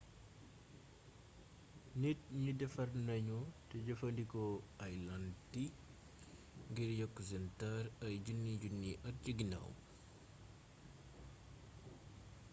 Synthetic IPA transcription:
nit̚ɲudɛfɐrnɐɲutɛɟɐfɐndikɔajlanti | ŋɡiɾjɐkːusɛntaɾɐjɟunːiɟunːiʔɐt̚ɟəɡina̰w̰m

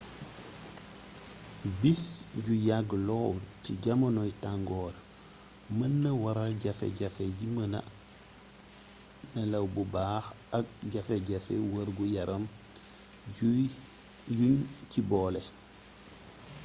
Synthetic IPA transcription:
bisɟujaɡlowciɟɐmɐnoitaŋɡoːɾ | mɐnːɐwaɾaɟɐfḛɟɐfejimɐna̰ | nɐlɐwbubaːx | aɡ̚ɟɐfeɟɐfḛwɐɾɡujɐɾʔɐm | juɲciboːle

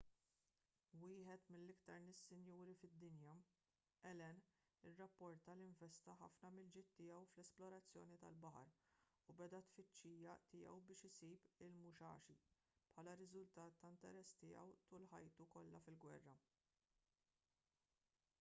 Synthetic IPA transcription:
wɪːħɛt̪mɪlːɪkt̪ɐɾnɪsːɪnjuːɾifɪd̪ːɪnjɐ | ɛlɛn | ɪrːɐpːɔɾt̪ɐliɱvɛst̪ɐħɐ̰fnɐmɪld͡ʒɪt̪ːɪːɛwflɛsplɔɾɐt͡sːjɔːnit̪ɐ̰lbɐħɐ̰ɾ | ubɛd̪ɐt̪fɪt͡ʃːiːjɐt̪ɪjɛ̰wbɪːʃɪsiːpɪlmʊʃɐ̰ːʃi | pħɐːlɐɾɪzʊlt̪ɐːt̪ːɐnt̪ɛɾɛsːt̪ɪjɐ̰wt̪ʊːlħɐjt̪ukɔlːɐfɪlɡwɛ̰rːɐ

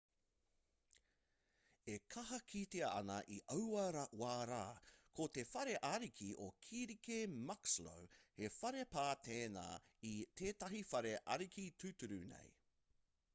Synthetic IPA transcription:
ekʰɐɦɐkʰit̪eɐɐ̰nɐʔiʔɐwɐɾɐwaːɾaːkʰot̪e̞fɐɾe̞ʔɐɾikʰiʔo̰kʰiɾikemɐkslo̰whefɐɾe̞paːt̪ʰeːna̰ː | it̪ʰeːtɐɦifɐɾeʔɐ̰ɾikʰitʰʉtuɾʉnḛj

